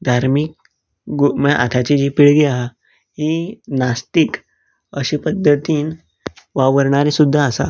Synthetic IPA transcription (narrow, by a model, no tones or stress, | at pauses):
d̪ʱaɾmik̚ | ɡməʔa̰t̪ʰat͡ɕid͡ʑipiɭɡiaɦa | ɦinast̪ik | əɕipəd̪ʱːət̪iːn | ʋaʋəɾɳaɾẽsud̪ʱːaːsa̰